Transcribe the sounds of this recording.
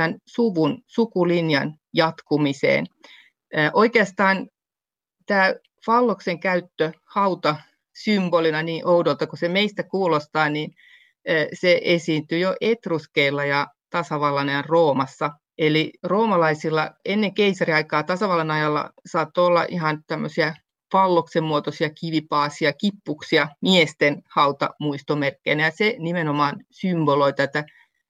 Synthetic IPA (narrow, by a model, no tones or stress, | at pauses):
ænsuʋunsukulinjɑn | jɑt̪kumisḛːn | əʔoikeɑst̪ɑːn | t̪æː | fɑlːokseŋkæyt̪ːøhɑut̪ɑ | symb̥olinɑniːʔoudolt̪ɑkusemeist̪ækuːlost̪ɑːninː | seʔesiːnt̪yjoʔet̪ruskeilːɑjɑ | t̪ɑsɑʋɑlːɑnɑjɑrroːmɑsːɑ | eliroːmɑlɑisilːɑenːeŋkeisɑriɑikɑːt̪ɑsɑʋɑlːɑnɑjɑlːɑ̰sɑːt̪ːoːolːɑ̰ʔiɦɑnt̪æmːøsiæ | ʋɑlːoksemmuot̪osiɑkiʋipɑːsiɑkipːuksiɑmiest̪enhɑut̪ɑ̰muist̪omerkːeinæjɑsenimenomɑːnsymboloit̪æt̪æ